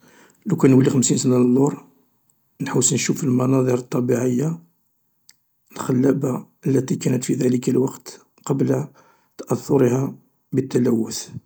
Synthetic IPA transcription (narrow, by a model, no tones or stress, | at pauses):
lækænwəlːixəmsinsənallːuɾˤ | nħawsnʃufəlmɑnɑd̪ˤəɾət̪ˤːɑbiʕəjːa | əlxəlːæbaʔəlːæt̪ikænət̪fid̪æləkəlwɑqt̪ | qɑbl | t̪ɑʔɑθːʊɾhæ | bət̪ːælæwːʊθ